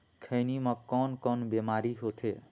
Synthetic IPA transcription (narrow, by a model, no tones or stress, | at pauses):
kʰəjnimʌkɔnkɔnbemaɾiɦot̪ʰe